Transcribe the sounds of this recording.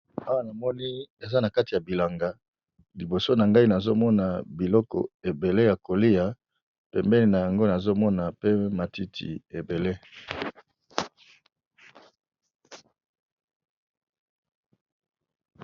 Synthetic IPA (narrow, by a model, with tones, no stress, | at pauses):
a˦wa˦na˨mɔ˦ni˦e˨za˦na˨ka˦ti˨ja˨bi˨la˨ŋɡa˨ | li˨bo˨so˦na˨ŋɡa˦i˦na˨zo˦mɔ˦na˨bi˨lɔ˦kɔ̰˨e˨be˨le˦ja˨ko˨li˦ja˨ | pɛ˨mbɛ˦ni˨na˨ja˨ŋɡo˦na˨zo˦mɔ˦na˨pe˦ma˨ti˦tʰḭ˨e˨be˨le˦